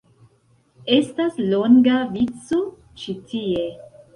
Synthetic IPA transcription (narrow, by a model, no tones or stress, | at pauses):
estasloŋɡavit͡so | t͡ʃitie